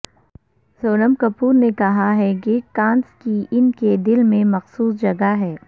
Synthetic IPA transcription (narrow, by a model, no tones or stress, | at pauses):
zoːɾəmkɐpuːɾnekɐɦaɦɛɡeːʈ̚kãːnskiɪnked̪ɪlmẽmɐxsuːsd͡ʒɐɡaɦɛː